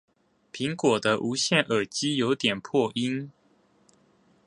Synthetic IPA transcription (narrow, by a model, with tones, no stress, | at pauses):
pʰi˨˥ŋkwɔ˨˩d̪ə˦ʔu˧˥ɕjɛ˥˩nʔə˨˩t͡ɕi˦˥jo˧˥ʊt̪jɛ˨˩npʰwɔ˥˩ʔi˦˥n